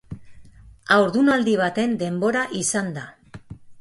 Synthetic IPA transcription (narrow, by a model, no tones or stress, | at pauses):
awɾðunald̪iβ̞at̪e̞nd̪e̞mbo̞ɾaʔisand̪a